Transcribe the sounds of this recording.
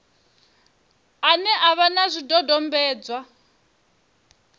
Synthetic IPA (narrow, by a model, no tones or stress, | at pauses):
anɛʔaβanazʷidɔdɔmbɛːd͡zwa